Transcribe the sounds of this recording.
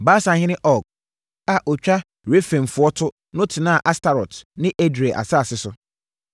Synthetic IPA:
baː˦sã˨hɪ̃˦nɪ̃˦ʔɔ˨k̚ | a˨ʔɔ˨t͡ɕᶣa˦ | ɾe˦fẽ˨n˨fʊ˨˦ɔ˦tʰʊ˦ | nʊ̃˦tʰɪ˨nã˦˨ʔa˦sta˨ɾɔ˨tnɪ̃˦ʔe˦dɾi˨a˨ʔa̰˨saː˦˨sɪ˦sʊ˨

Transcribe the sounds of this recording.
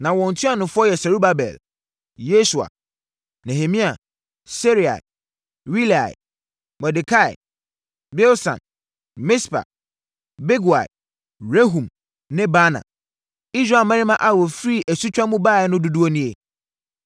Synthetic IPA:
nã˨wɔ̃˨n̩˨tʰũ˦a˦˨nʊ̃˨fʊ˦ɔ˦jɛ˨sɛ˨ɾu˦ba˨bɛ̰˨l | je˦su˨a̰˨ | nɛ̃˨he˨mĩ˦a˨ | se˦ɾi˨a̰˨ | wi˦la̰˨ɪ˨ | mɛ˨di˨kʰa˦˨ɪ̰˨ | bɛ˦lsã̰˨n | mɪ˦spa̰˨ | be˦ɡu˨a̰˨ɪ˨ | ɾe˦ɦũ˨m | nɪ̃˦ba˦nã̰˨ | i˦sɾa˨mã˦ɾi˦mã˦ʔa˨wɔ˨fɾi˦ʔæ˨su˦t͡ɕᶣã˦mũ˦baː˦˨ɛ˨˦nʊ̃˦du˦du˦o˦nĩ˦e˨

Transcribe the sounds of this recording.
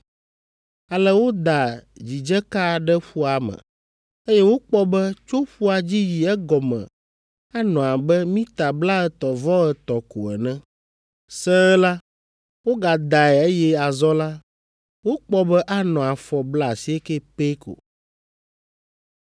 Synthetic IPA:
a˨lɛ˦wo˦d̪a˨d͡ʑi˨d͡ʒɛ˦ka˦ɖɛ˦ɸu˦a˨mɛ̰̃˨ | e˦jɛ˦wo˦k͡pɔ˦bɛ˦t͡ʃo˦ɸu˦a˨d͡ʑi˦ji˨ɛ˦ɡɔ˨mɛ̰̃˨ | a˦nɔ̃˨a˨bɛ˦mĩ˦t̪a˨bla˦ɛ˨t̪ɔ˨vɔ˦ɛ˨t̪ɔ˨ko̰˨ɛ̰˨nɛ̃˦ | sɛ˦la˦ | wo˦ɡa˨d̪a˨ɛ˨e˦jɛ˦a˨zɔ˦la˦ | wo˦k͡pɔ˦bɛ˦ʔa˦nɔ̃˨a˨fɔ˨bla˦˨si˦ɛ˦kɛ˦pe˦ko̰˨

